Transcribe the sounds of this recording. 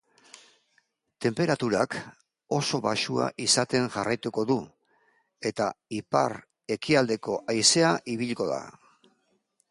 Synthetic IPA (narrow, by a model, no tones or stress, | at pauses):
t̪e̞mpe̞ɾat̪uɾak | o̞so̞βaʃua̰ʔisat̪e̞ŋʝarajt̪uko̞ðu | e̞t̪aipa̰ɾ | e̞kiald̪e̞ko̞ʔajse̞aʔiβiʎko̞ða̰